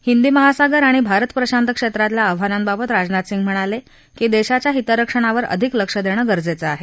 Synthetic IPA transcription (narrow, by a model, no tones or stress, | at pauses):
hind̪iːməɦasaɡəɾaɽ̃ibʱaɾət̪pɾəɕant̪əkʂet̪ɾat̪ljaəʋ̤aɾãmbabət̪ɾad͡znat̪siŋɡm̤əɽ̃ale | kid̪eɕat͡ɕjaɦit̪əɾəkʂəɳ̃aʋəɾʔə̰d̪ʱikləkʂəd̪eɽ̃əːɡəɾd͡zet͡səaɦe